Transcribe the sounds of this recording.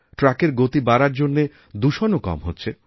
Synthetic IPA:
ʈɾakeɾɡot̪ibaɾaɾd͡ʑonːe | d̪uʃonokɔ̰mɦo̰tːɕʰe

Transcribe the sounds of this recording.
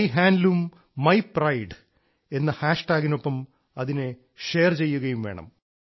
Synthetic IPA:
jɦaːnlumː | ɐjprɐjɖ | e̞nːɨhaːʂʈaːɣino̞pːɐm | ɐðine | ʂeːrt͡ɕe̞jːuɣɐjumʋe̞ːɳɐ̰m

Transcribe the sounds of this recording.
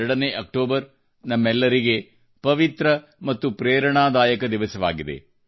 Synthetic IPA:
ɐɽɐneʔɐk̚ʈoːbɐɾ | nɐmːɛlːɐɾiɡe̞ | pɐʋit̪ɾɐ | mɐt̪ːupɾeːɾɐɳaːd̪aːjɐkɐd̪iʋɐsɐʋaːɡid̪ḛ

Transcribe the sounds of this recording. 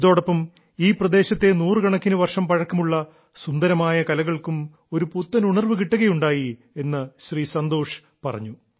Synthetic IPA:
iðo̞ːɽɐpːɐm | iːprɐd̪e̞ːɕɐt̪ːe̞nuːrɨɡɐɳɐkʲːinuʋɐrʂɐmpɐɻɐkːɐmuɭːɐ | sund̪ɐɾɐmaːjɐkɐlɐɣɐɭkum | o̞ɾuput̪ːɐnuɳɐrʋɨkiʈːuɣɐjuɳɖaːji | e̞nːɨɕriːsɐnd̪o̞ːʂ | pɐrɐ̰ɲːu

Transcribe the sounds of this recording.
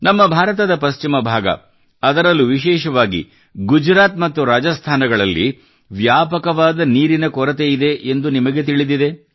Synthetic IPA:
nɐmːɐbʱaːɾɐt̪̬ɐd̪ɐpɐst͡ʃimɐbʱaːɡɐ̰ | ɐd̪ɐɾɐlːuʋiʃɛːʃɐʋaːɡḭ | ɡud͡ʒɾaːt̪mɐt̪ːuɾaːd͡ʒɐst̪ʰaːnɐɡɐɭɐlːḭ | ʋjaːpɐkɐʋaːd̪ɐniːɾinɐkɔɾɐt̪̬eid̪e̞ʔend̪unimɐɡe̞t̪iɭid̪id̪e̞

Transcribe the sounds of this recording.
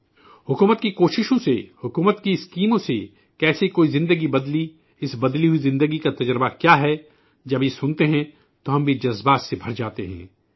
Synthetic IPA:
hʊkuːmət̪kikoːʃɪʃõsehʊkuːmət̪kiɪskiːmõse | kɛːsekoːizɪ̃nd̪əɡibɐd̪li | ɪsbɐd̪liɦuizɪ̃nd̪əɡikat̪ɐd͡ʒɾbakjaːɦɛ | d͡ʒɐbjesʊnt̪eɦɛ̃ | t̪oɦɐ̃mbʱid͡ʒɐzbaːt̪sebʱɐɾd͡ʒaːt̪eɦɛ̰̃ː

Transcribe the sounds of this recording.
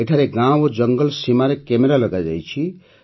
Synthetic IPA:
eʈʰaɾeɡãod͡ʒəŋɡəlsimaɾekemeɾaləɡad͡ʒa̰jt͡ʃʰi

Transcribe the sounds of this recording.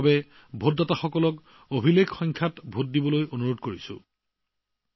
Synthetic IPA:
bɛ | bʱot̚dataxɔkɔlɔk | obʱilekxɔjŋkʰatbʱot̚dibɔlojonuɹodkoɹisʊ̰

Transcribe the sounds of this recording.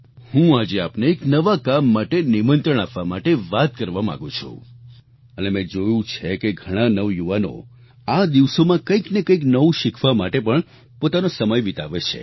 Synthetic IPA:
hũad͡ʒeapneːknəʋakamːaʈenimənt̪ɾəɳ̃apʋamaʈeʋat̪̚kəɾʋamã̰ɡũt͡ʃʰṵ̃ | ənemɛ̃d͡ʒojũt͡ʃʰekeɡʱəɽ̃ãnəʋjuʋano̰ | ad̪iʋsomãkəiknekəiknəʋũʃikʰʋamaʈepəɳ | pot̪anosəməjʋit̪a̰ʋet͡ʃʰḛ

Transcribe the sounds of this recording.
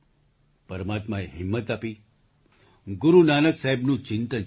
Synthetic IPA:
pəɾmat̪maeɦɪmːət̪aːpiː | ɡuɾunaːnəksaɦebnũːt͡ɕɪnt̪ən

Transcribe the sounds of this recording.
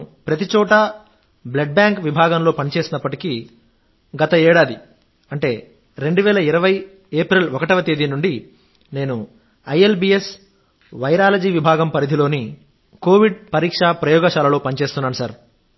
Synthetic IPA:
pɾɐt̪it͡ʃɔːʈɐ | bleɖ̚baːŋkʋibʱaːɡɐmlo̞ːpɐnit͡ʃe̞ːsinɐpːɐʈiki | ɡɐt̪ɐeːɽaːd̪i | ɐɳʈe̞ː | ɾe̞ɳɖuʋɛːlɐiɾɐʋɐj | eːpɾilɔkɐʈɐʋɐt̪eːd̪inuɳɖi | ne̞ːnu | ɐjelbiːes | ʋɐjɾaːlɐd͡ʒiːʋibʱaːɡɐmpɐɾid̪ʱilo̞ːni | ko̞ːʋiɖpɐɾiːkʂapɾɐjɔːɡɐʃaːlɐlo̞ːpɐnit͡ʃe̞ːst̪unːaːnusɐɾ

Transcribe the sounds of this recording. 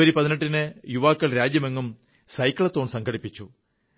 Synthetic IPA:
ɐɾipɐðineʈːinɨjuʋaːkːɐɭɾaːd͡ʑjɐme̞ŋːɐum | sɐjkːɐɭet̪ːo̞ːɳsɐŋɡɐɽipːit͡ɕːu

